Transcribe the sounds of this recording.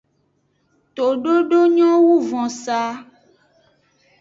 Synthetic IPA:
t̪o˨ɖo˦ɖo˦ɲɔ̃˦wu˦vɔ̃˨sa˦

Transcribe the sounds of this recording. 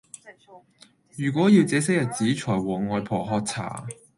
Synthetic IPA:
jyː˨˩k̬ʷwɔː˨˥ji˧wt͡sɛː˨˥s̬ɪ˥kjɐ˨t̚t͡siː˨˥t͡ʃʰɔː˨˩jwɔː˨˩ŋŋɔː˨˧jpʰɔː˨˩ɦɔː˧k̚t͡sʰa̰ː˨˩

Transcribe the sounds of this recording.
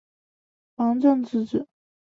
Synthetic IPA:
fɑ˧˥ŋʈ͡ʂɤ˥˧ŋt͡sɹ̩˥˩ʈ͡ʂɻ̩˥˩˦

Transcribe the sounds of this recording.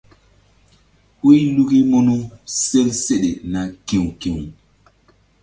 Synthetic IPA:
hu˦lu˦ki˦mo˦nu˦se˦lse˦ɗe˨na˨ki˨wki˨ŋ

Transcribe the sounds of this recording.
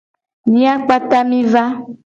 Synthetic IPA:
ɲĩ˦a˦k͡pa˦t̪a˦mĩ˦va˦

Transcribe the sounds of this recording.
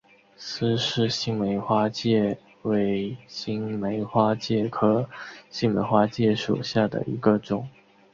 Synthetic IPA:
sɹ̩˥ʂɻ̩˥˧ɕi˥ŋme˧˥ɪxwa˥t͡ɕjɛ˥˩ | we˧˥ɪɕi˥ŋme˧˥ɪxwa˥t͡ɕjɛ˥˩kʰɤ˧˥˩ɕi˥˩ŋme˧˥ɪxwa˥t͡ɕjɛ˥˩ʂṵ˨˩ɕja˥˩d̪ə̰˩ʔḭ˧˥ɡə˧ʈ͡ʂʊ˨˩˦ŋ

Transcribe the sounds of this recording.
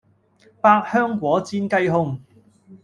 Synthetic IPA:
paː˧k̚hœː˥ŋkʷɔː˨˥t͡siː˥nkɐ˥jɦʊ˥ŋ

